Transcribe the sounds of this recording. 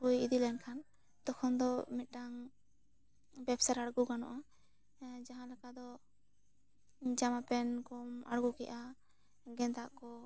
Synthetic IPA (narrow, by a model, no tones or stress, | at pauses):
ujid̪ilɛnkʰan | d̪̥ɔkʰɔnd̪ɔmit̪̚ˀʈaŋ | bɛbsaɾaɽɡuɡanɔ̰ʔa | d͡ʒaɦãlɛkad̪ɔ | d͡ʒamapɛnkɔma̰ɽɡukɛʔa | ɡɛ̃nt̪aʔkɔ